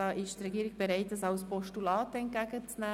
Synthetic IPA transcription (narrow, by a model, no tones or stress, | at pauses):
ɑːʔɪʃtrɛɡiːɾɪɡ̥̚b̥eɾaɪtdəsɑʊspɔʃtulɑːtəɛnt̚ɡ̥æɡət͡snæː